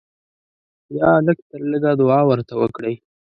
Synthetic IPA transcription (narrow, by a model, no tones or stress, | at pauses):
jɑləkt̪əɾləɡad̪ʊɑwəɾt̪awəkɽəj